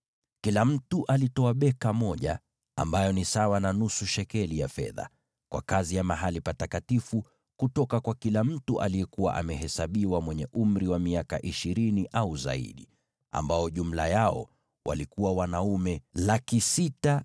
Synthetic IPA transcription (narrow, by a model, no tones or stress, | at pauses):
kilam̩tuʔalitɔaɓɛkamɔʄa̰ | a̰mbajɔnisawananusuʃɛkɛlijafɛ̰ða̰ | kwa̰kazijamaɦalipatakatifu | kutɔkakwakilam̩tuʔa̰lijɛkuwa̰ʔa̰mɛɦɛsaɓiwamwɛɲɛʔum̩ɾiwamiaka̰ʔiʃiɾiniʔauza̰ḭɗi | a̰mbaɔʄum̩la̰jaɔ̰ | wʔa̰likuwawanaumɛlakisita